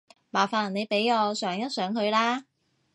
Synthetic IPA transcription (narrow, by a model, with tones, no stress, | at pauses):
maː˨˩faː˨˩nne˨˧jpe˨˥jɔː˨˧sœː˨˥ŋjɐ˥t̚sœː˨˥ŋɦɵ˧ɥlaː˥